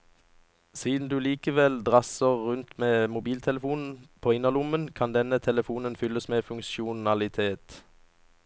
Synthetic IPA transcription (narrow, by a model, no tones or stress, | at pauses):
siːd̪n̩d̪ʉːliːkəʋɛld̪ʁɑsəʁʁʉnt̪meːmʊbiːlt̪ʰɛləfuːnn̩pʰoːɪnːəlʊmənkʰɑnd̪ɛnət̪ʰɛləfuːnənfʏləsmeːfʉŋkʃʊnɑlɪt̪ʰeːt̪